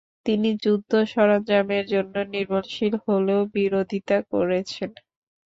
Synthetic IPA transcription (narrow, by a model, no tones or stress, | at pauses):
t̪inid͡ʑud̪ʱːoʃɔɾand͡ʑameɾd͡ʑonːoniɾmanʃilholeobiɾod̪ʱit̪akoɾet͡ɕʰen